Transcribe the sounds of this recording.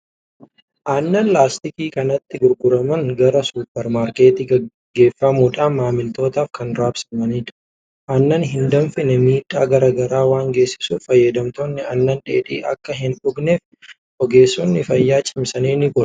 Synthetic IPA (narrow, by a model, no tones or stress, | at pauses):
ʔaːnːɐnlaːst̪ɪkiːkɐnɐt̪ːɪɡʊɾɡʊɾɐmɐŋɡɐɾɐsuːpːɛɾmaːɾke̞ːt̪iːɐ | ɡːe̞ːfːɐmuːᶑaːmːaːmɪlt̪o̞ːt̪aːfkɐnɾaːbsɐmɐniːᶑ | ʔanːɐnɦɪnd̪ɐmfɪnɛmiːᶑaːɡɐɾaɡɐɾaːwaːŋɡe̞ːsːɪ̥suːfɐjːɐd̪ɐmt̪oːnːɪɐnːɐnᶑeːᶑiːʔɐ̰kːɐɦɪnᶑʊɡneːf | ʔɔɡe̞ːsːɔnːɪfɐjːaːt͡ʃʼɪmsɐniːnɪɡʊ